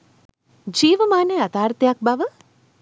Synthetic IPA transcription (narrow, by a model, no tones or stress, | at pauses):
d͡ʒiːʋəmaːneɐt̪aːɾt̪jak̚baʋə